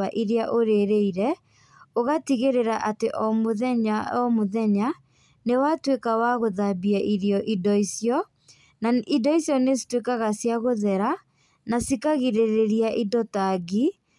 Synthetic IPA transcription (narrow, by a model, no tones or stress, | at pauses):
aʔiɾeaʔoɾeɾeiɾɛ | oɣatiɣeɾeɾaʔateʔɔmoɛɲaɔmoðɛɲa | newatwekawaɣoðabiaʔiɾjɔʔidɔisiɔ | naidɔisiɔnesi̥twekaɣasjaɣoðɛɾa | nasikaɣiɾeɾeɾiaʔidɔtaɣi